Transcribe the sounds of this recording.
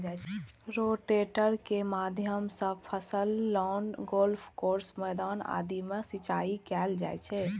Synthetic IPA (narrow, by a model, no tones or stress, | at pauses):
d͡ʒat͡ʃʰɛɾoʈeʈəɾkemad̪ʱjəmsə̃pʰəsəlːɔnɡolpʰkoɾsmɛjd̪aːna̰d̪imesit͡ʃaikɛld͡ʒa̰jt͡ʃʰɛ